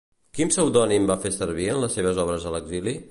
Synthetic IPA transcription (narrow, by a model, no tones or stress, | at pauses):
kimsəwðɔnimbafesəɾβiənləsːeβ̞əzɔβ̞ɾəzələɡzili